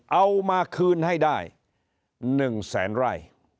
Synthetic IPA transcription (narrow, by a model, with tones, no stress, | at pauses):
ʔa˧wmaː˧kʰɯː˧nha˥˩jdaː˥˩j | nɯ˨˩ŋsɛ̰ː˩˦nɾaː˧˩j